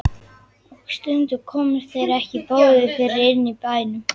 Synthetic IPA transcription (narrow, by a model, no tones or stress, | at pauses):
ɔkst̪ʏnt̪ʏɾkʰɔːmʏɾ̥θejɾɛhcɪpoːwðʏfɪɾɪɾɪnːipaːjnʏm